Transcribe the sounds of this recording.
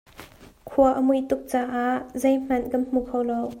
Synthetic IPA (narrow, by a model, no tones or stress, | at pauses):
kʰuɐʔəmujt̪ʊk̚t͡saːʔaʔzejm̥ɐnkɐnm̥ukʰowlow